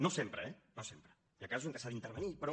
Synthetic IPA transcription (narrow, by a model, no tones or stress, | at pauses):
nosempɾəɛnosempɾə | jakazuzenŋk̪əsaðint̪əɾβənipɾo